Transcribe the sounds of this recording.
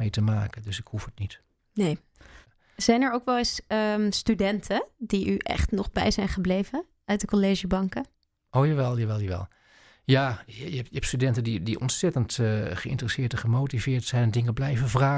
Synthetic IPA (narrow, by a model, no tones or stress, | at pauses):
ejtəmaːkəndøsɪkhufhətnit | nej | z̥ɛjnɛɹowkʋɛlˠɪsəstydɛntʰədiyʔɛ̰χtnɔχbɛ̰jzɛjnχəblejvən | œɥtdəkoleːʒəbɑŋkə | ʔowjaːʋɛlˠjaʋɛlˠjaʋɛ̰lˠ | jaːjjəɛptstydɛntədidiɔ̰nsɛtəntχəɪ̰ntərəsɪːtəχəmowtivɪːɹtsɛjnɛndɪŋəblɛjvəvraː